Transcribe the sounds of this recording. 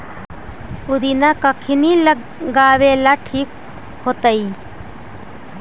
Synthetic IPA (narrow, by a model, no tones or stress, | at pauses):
ʊd̪inakəkʰinilə | ɡaːʋelaʈʰiːk̚ | hot̪əi